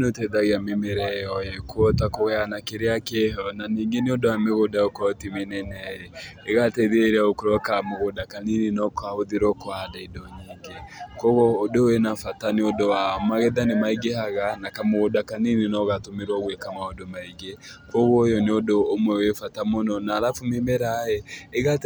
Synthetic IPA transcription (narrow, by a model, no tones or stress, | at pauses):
notɛðaɣeamemeɾɛjɔjɛkwɔtakoɣɛanakeɾeakeɦɔnaniːŋɡeneodoameɣodaokɔtimenɛnɛajeːɣatɛðeeɾeaokoɾɔkamoɣodakaninenɔkahoðeɾɔkoadaidɔɲiɡekɔɣɔːdowenafataneodowaɔmaɣɛðanemaiɡehaɣanakamoɣodakaninenɔɣatomeɾwaɣwekamaodomaiɡe | kɔɣɔjɔneodoːmwɛwefatamonɔnaːɾafumemeɾajɛːɣat